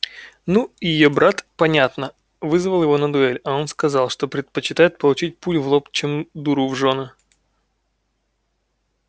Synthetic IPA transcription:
nujɪjobɾat̪pɐnʲat̪nə | vɨzvəlˠjɪvo̞nəd̪ʊɛlʲɐo̞nskɐzɑlˠʂt̪o̞pɾʲɪt̪̚pət͡ɕɪt̪ajɪt̪̚pəlˠʊt͡ɕit̚ʲputʲvlˠo̞pt͡ɕemd̪uɾuvʐo̞nɨ

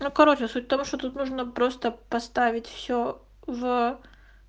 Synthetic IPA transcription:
nukɐɾo̞t͡ɕɪsutʲft̪omʂt̪ot̪ut̪nuʐnəpɾo̞st̪əpɐst̪avʲɪtʲfsʲo | v

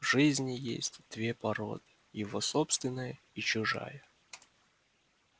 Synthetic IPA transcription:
vʐɨzʲnʲɪjḛsʲtʲd̪̥vʲepɐɾo̞̰d̪ɨ̥ | jɪvosopst̪vʲɪnːəjə | it͡ɕʊʐa̰jə

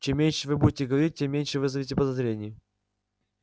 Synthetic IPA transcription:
t͡ɕemːʲenʲʂɨvɨbudʲɪtʲɪɡəvɐɾʲit̚ʲtʲemːʲenʲʂɨvɨzɐvʲetʲɪpəd̪ɐzɾʲenʲɪjə

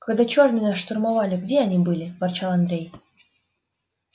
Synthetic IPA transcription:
kɑɡd̪at͡ɕuɑʐmʲinɑʂt̪ormɑβɑlʲɪɡdʲeanʲibɨlʲɪvɑrt͡ɕɑlˠɑnd̪ɾʲej

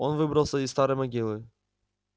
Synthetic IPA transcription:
onvɨbɾəlˠsɐist̪aɾɨjmɐɡʲilˠɨ

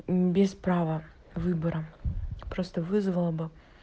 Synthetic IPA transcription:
bʲɪspɾavə | vɨbəɾəpɾo̞st̪əvɨzvəlˠəbɨ

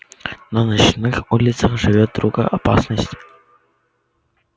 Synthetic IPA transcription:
nənɐt͡ɕnɨxulʲɪt̪səχʐɨvʲot̪̚d̪ɾuɡəʔɐpa̰snəsʲtʲ

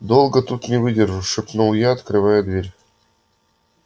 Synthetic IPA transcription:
d̪olˠɡət̪ut̪nʲɪvɨdʲerʐuʂɨpnulˠjaɐt̪kɾɨvajəd̪vʲeɾʲ

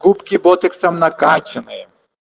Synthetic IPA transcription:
kupkʲɪbɔt̪ɪksɐmnɐkat͡ʃɪnɪjɛ

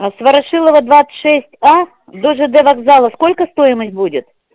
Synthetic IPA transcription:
svɐɾɐʂɨlˠəvəd̪vat̪sɨ̥t̪ʲʂɛsʲtʲa | d̪oʐɨd̪ɛvaɡzalˠəsko̞lʲkəst̪o̞jɪməsʲtʲbudʲɪt̪

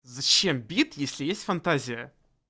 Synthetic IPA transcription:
zɐt͡ɕembʲit̪jesʲlʲɪjesʲtʲfɐnt̪azʲɪjə

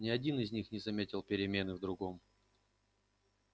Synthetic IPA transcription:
nʲɪɐdʲinɪzʲnʲixnʲɪzɐmʲetʲɪlˠpʲɪɾʲɪmʲe̞nɨvd̪ɾʊɡo̞m

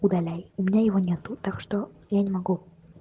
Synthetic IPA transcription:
ud̪ɐlʲæjʊmʲɪnʲajɪvonʲet̪ut̪akʂt̪ojanʲɪmɐɡu

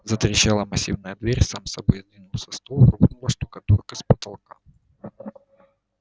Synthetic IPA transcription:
zət̪ɾʲɪɕalˠəmɐsʲivnəjəd̪vʲeɾʲsamsɐbojzd̪vʲinʊlˠsʲɐst̪olˠkʊvɨnʊlˠəʂt̪ukɐt̪orkəspət̪ɐlˠka

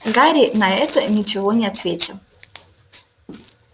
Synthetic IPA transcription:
ɡaɾʲinɐɛt̪ənʲit͡ʃɪvonʲɪɐt̪vʲetʲɪlˠ

